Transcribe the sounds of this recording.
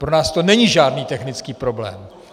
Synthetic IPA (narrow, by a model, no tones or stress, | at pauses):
pɾonaːst̪onɛɲiʒaːdniːt̪ɛxnɪt͡skiːpɾo̞blɛ̰ːm